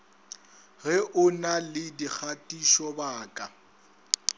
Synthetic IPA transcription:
ɣɛʔʊnalɪdik͡xʰatʼiʃɔbaːkʼa

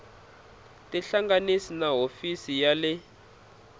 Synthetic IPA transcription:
tʼɛɬaŋɡanisinaɦofisijalɛ

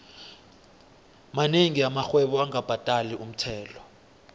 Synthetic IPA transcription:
maneŋiamaxwɛɓɔaŋab̥ʱatʼaliʔum̩tʰɛːlɔ

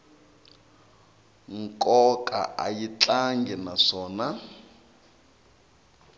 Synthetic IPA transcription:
ŋ̩kʼɔkʼa̰ʔa̰jit͡ɬaŋɡɛnaʂɔːna

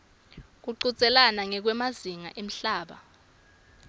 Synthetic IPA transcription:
k̬uǃut͡sʼɛlanaŋɛk̬wɛmaziŋa̰ʔem̩ɬaːɓa̰

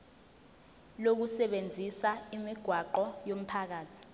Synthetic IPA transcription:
lok̬usɛɓend͡zʱisaimiɡ̥ʱwaǃɔjom̩pʰak̬aːtʰi̥

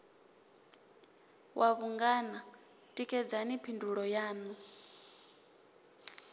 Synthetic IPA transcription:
wʔaβuŋɡana | tʼikʼɛd͡zanipʰinduɺɔjaːnu

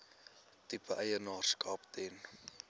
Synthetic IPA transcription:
tipəʔɛjənɑːrskɑːpt̪ʰɛn

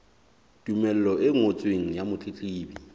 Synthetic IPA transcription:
d̥ʼumɛl̩lɔʔɪŋot͡sʼweŋ̩jamʊt͡ɬʼit͡ɬʼiːbi

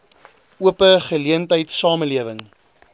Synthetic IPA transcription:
uəpəχəliəntəjtsɑːməliəvəŋ

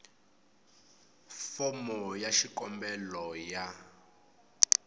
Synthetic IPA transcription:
fɔmɔjaʃikɔmbɛlɔja

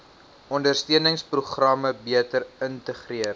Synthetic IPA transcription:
ɔndərstiənəŋspruχrɐməbiətəɾəntəχriər

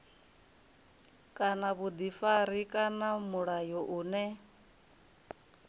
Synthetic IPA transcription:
kʼanaβud̪ifaɾikʼanamuɺajɔʔuːnɛ

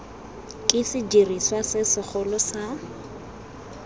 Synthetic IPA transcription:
kʼɪsɪd͡ʒiriswasɪsɪk͡xʰʊlɔsa

